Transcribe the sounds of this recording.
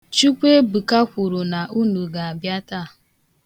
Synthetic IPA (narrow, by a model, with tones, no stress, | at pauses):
t͡ʃu˦kʷe˦bu˨ka˦kʷu˨ɾu˨na˨ʔu˦nu˨ɡa˨a˨bja˦ta˦˨